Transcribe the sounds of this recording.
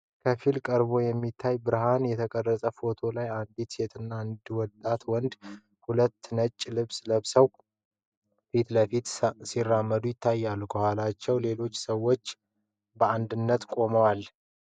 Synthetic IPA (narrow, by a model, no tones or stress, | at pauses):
kʰəfilkʼəɾβo̞jɛmːit̪ʰːajbɨɾɦanjɛt̪ʰəkʼərːəsʼəfo̞t̪ʰo̞lajand̪it̪set̪ʰɨnːand̪wɔt̪ʼːat̪wɔnd̪ | hulət̪ːnət͡ʃʼːlɨβsləβsəw | fit̪ləfit̪sirːamːəd̪ujɪt̪ʰːajːalːukəhʷwalat͡ʃːɛwle̞lo̞t͡ʃːsəwo̞t͡ʃː | bəand̪ɨnːət̪kʼo̞məwal